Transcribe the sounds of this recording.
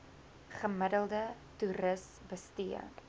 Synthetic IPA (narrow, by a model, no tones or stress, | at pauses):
χəmədəlˠdə | tuɾəs | bəstiə̰